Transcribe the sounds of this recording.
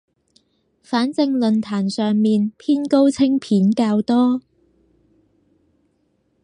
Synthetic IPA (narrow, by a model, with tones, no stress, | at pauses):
faː˨˥nt͡sɪ˧ŋlɵ˨nt̪ʰaː˨˩nsœː˨ŋmiː˨npʰiː˥nko˥wt͡sʰɪ˥ŋpʰiː˨˥nkaː˧wt̪ɔː˥